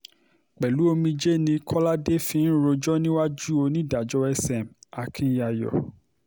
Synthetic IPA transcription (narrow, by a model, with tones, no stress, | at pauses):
k͡pɛ˨lu˨˦o˧mĩ˧d͡ʒe˦nĩ˧kʰɔ˦la˦de˦fĩ˧n̩˦ɾo˧d͡ʒɔ˦nĩ˦wa˦d͡ʒu˦o˧nĩ˦da˨d͡ʒɔ˧ɛ˧sɛ˨m˨a˨kʰĩ˧˦ja˨jɔ̰˨